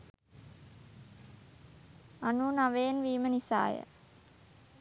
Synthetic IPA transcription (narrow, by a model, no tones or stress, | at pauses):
anuːnaʋeːnʋiːmənisa̰ːjə̰